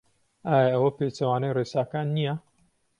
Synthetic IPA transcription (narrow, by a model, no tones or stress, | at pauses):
ʔaːjɐʔɐwɐpeːt͡ʃɐwaːnɐjreːsaːkaːnːijɐ